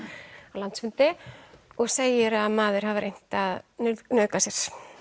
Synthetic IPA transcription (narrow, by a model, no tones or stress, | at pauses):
avlant̪sfʏnt̪ɪɔɣseːjɪɾaðmaːðɪɾ̥havaɾejn̥t̪aðnnœːkasjɛɾ̥